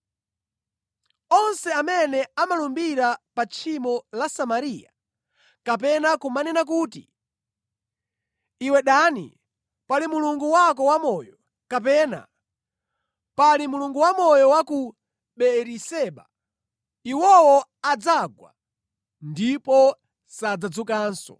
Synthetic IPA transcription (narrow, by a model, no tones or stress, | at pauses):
ɔnsɛamɛnɛamalumbiɾapat͡ʃʰimɔlasamaɾija | kap̬ɛnakumanɛnak̬uːtḭ | iwɛɗanḭ | palimuluŋɡuwak̬ɔwamɔjɔ | kap̬ɛːna̰ | palimuluŋɡuwamɔjɔwaku | ɓɛɾisɛɓa | iwɔwɔad͡zaɡwa̰ | ndipɔ | sad͡zad͡zukaːnsɔ̰